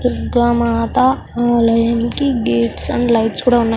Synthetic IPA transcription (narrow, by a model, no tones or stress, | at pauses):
pɾoɡɾaːmaːt̪ɐ | aːlɐjaːnikiɡeːʈsɐɳɖlɐjʈskuːɽaːunːaːj